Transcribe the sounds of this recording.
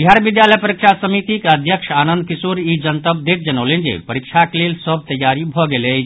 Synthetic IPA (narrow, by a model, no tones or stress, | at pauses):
biɦaɾʋid̪jaːləjpɐɾikʂasɐmit̪ikɐd̪ʱjəkʂaːnə̃nd̪̚kisuːɾid͡ʒɐnt̪əb̚d̪et̪̚d͡ʒɐnoːlẽnd͡ʒḛpɐɾikʂakleːlsɔb̚t̪ɐjːaːɾibʱɔɡele